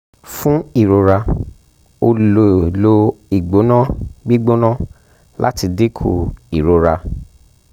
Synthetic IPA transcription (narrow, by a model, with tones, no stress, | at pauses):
fũ˦i˦˨ɾo˨˧ɾa˧ | o˧lo˧˨lo˧i˨ɡ͡bo˨˦nã˦ɡ͡bi˦ɡ͡bo˦nã˦ | lʔa̰˦ti˧de˦kʰo̰˧i˨ɾo˧ɾa˧